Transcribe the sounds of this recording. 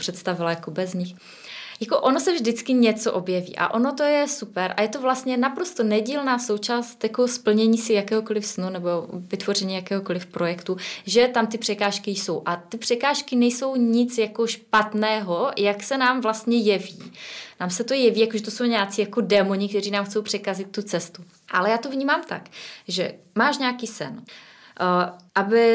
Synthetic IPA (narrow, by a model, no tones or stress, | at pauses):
pr̥ɛt̪st̪avɪlajakobɛzɲɪx | jakoʔonosɛvʒdɪt͡skɪɲɛt͡soʔo̞bjɛvḭːʔa̰ʔo̞not̪o̞jɛsupɛɾʔa̰jɛt̪ovlast̪ɲɛnapɾost̪onɛɟiːlnaːso̞wt͡ʃaːst̪jako̞spl̩ɲɛɲiːsɪjakɛːɦoko̞lɪfsnunɛbovɪt̪vo̞rɛɲiːjakɛːɦoko̞lɪfpɾo̞jɛkt̪uʒɛt̪amt̪ɪpr̥ɛkaːʃkɪjso̞wʔat̪ɪpr̝̥ɛkaːʃkɪnɛjso̞wɲɪt͡sjako̞ʃpat̪nɛːɦo̞jaksɛnaːmvlast̪ɲɛjɛviːnaːmsɛt̪o̞jɛviːjakoʒɛt̪oso̞wɲɛat͡siːjakodɛːmoɲɪk̚t̪ɛriːnaːmxt͡so̞wpr̝̥ɛkazɪt̪ːut͡sɛst̪u | ʔalɛjaːt̪o̞vɲiːmaːmt̪a̰kʒɛ | maːʃɲɛakiːsɛ̰n | ʔabɪ